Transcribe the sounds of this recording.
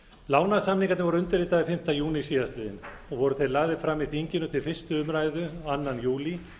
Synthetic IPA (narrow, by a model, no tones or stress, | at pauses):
laːwnasamniŋkat̪ɪvɔɾʏʏnt̪ʏɾɪt̪aðɪfɪm̥t̪ajuːnisiːðaslɪːðɪ̰n | ɔɣvɔɾʏθejlaːɣðɪfɾamːiθiɲcɪnʏt̪ʰɪlfɪr̥st̪ʏʏmɾaːjðʏanːanjuːli